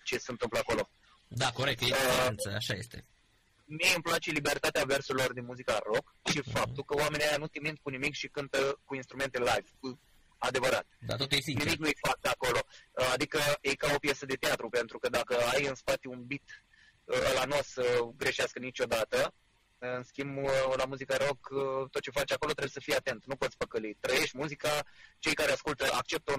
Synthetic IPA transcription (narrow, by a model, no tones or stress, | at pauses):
t͡ʃe̞sənt̪ɨmpləako̞lo̞ | d̪akoɾek̚t̪jeent̪səaʃa̰jest̪ḛ | miejɨmplat͡ʃe̞libeɾt̪at̪eave̞rsuɾilo̞rd̪inmuzikaro̞k | ʃifap̚t̪ukəoame̞nijajanut̪imint̪̚kunimikʃikɨnt̪əkuinst̪ɾume̞nt̪e̞lavʲku | ad̪e̞vəɾa̰t̪d̪a̰t̪ot̪jeinimiknujfak̚t̪ako̞lo̞ad̪ikəejkao̞pje̞səd̪e̞t̪eat̪ɾupe̞nt̪ɾukəd̪akəajɨnspat̪iunbit̪ | ə̰lanosəɡɾe̞ʃeaskənit͡ʃʲo̞d̪at̪ə | ɨnskʲimblamuzikəɾo̞kt̪ot̪̚t͡ʃe̞fat͡ʃʲakolo̞t̪ɾebjsəfijat̪e̞nt̪nupot̪sʲpəkəlit̪ɾəje̞ʃt̪ʲmuzikat͡ʃe̞jkaɾeaskult̪əʔa̰k̚t͡ʃe̞p̚t̪əu